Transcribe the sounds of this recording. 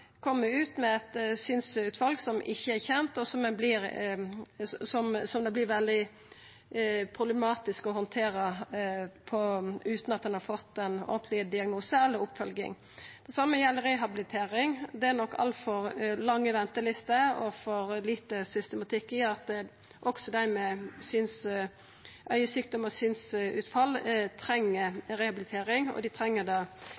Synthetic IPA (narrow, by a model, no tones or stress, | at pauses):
kʰɔmːəɾʉːt̪mɛɛt̪sʏnsʉːt̪ʋɑlɡsɔmʔɪçːəæɾçɛnt̪ɔsɔmɛnblɪɾ | sɔmsɔmd̪ɛblɪɾʋɛld̪ɪ | pʰɾʊbləɛmɑːt̪ɪskɔhɔnt̪ʰeːɾə | pʰɔʉːt̪nɑt̪̚d̪ɛnhɑɾfɔt̪ːɛnɔ̰ɡnt̪lɪəd̪ɪɑɡnuːsəɛlːɔʊpːfœlɡɪ̰ŋ | d̪̥ɛsɑmːəjɛlːɾɛɦɑbɪlɪt̪ʰeːɾɪŋd̪ɛæɾnɔkːɑ̰lt̪fɔɾlɑŋːəʋɛnt̪əlɪst̪əɔfɔɾliːt̪əsʏst̪əmɑt̪ʰɪkːɪjəɾɑt̪̚d̪ɛ | ʔɔksɔd̪æɪmɛsyːns | ʔœʏəsyːk̚d̪ɔməsyːnsʉ̰ːt̪fɑlːt̪ʰɾɛŋːəɾɛhɑbɪlɪt̪ʰeːɾɪŋɔ̰d̪ɪt̪ʰɾɛŋːəd̪ɑː